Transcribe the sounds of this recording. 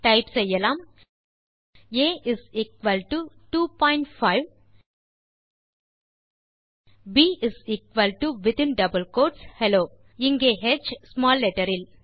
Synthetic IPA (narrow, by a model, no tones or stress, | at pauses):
ʈɐɪpsɛjːɐlaːm | eːɪziːk̚ʋɐlʈuʈuːpɔ̃ːɪ̃ɳʈfaɪʋ | biːʔɪziːkʋɐlʈuʋɪt̪ɪ̃nɖɐbəlkoːʈshɛloː | ɪŋɡeːɦɛd͡ʒsmaːlːɛʈɐɾɪl